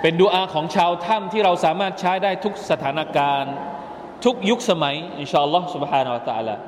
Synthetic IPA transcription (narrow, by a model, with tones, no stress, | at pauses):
pe˧nduː˧ʔaː˧kʰɔː˩˦ŋt͡ɕʰaː˧wt̪ʰa˥˩mt̪ʰiː˥˩ɾa˧wsaː˩˦maː˥˩t̪̚t͡ɕʰaː˦˥jdaː˥˩jt̪ʰu˦˥k̚sa˧t̪ʰaː˩˦na˧kaː˧n | t̪ʰu˦˥k̚ju˦˥k̚sa˧ma˩˦ji˧nɕʰaː˧˩ʔɑ˧lːɔː˦˥hsu˧bħaː˧nu˧wa˧t̪a˧ʔa̰ː˧la̰ː˧